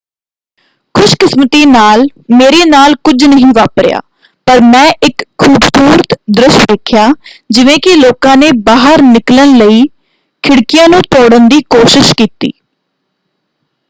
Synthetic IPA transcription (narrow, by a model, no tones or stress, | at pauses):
kʰʊʃkɪsmət̪iːnaːlmeːɾeːnaːlkʊd͡ʒnəɦĩːʋaːpɾɪja̰ː | pəɾmɛ̃ːʔɪkʰːuːbsuːɾət̪d̪ɾɪʃd̪eːkʰjaːd͡ʒɪʋẽːkɪloːkãːneːbaːɦəɾnɪklənləiː | kʰɪɽkɪjãːnũːt̪oːɽənd̪iːkoːʃɪʃkiːt̪ḭː